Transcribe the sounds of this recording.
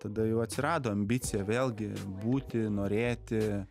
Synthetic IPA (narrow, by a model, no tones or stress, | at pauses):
t̪ɐd̪ɐjɛʊɐt̪ʲsʲɪɾɑːd̪oːɐmʲbʲɪt̪t͡s̪ʲɪjɛʋʲeːlˠʲɡʲɪbuːt̪ʲɪnoːɾʲeːt̪ʲɪ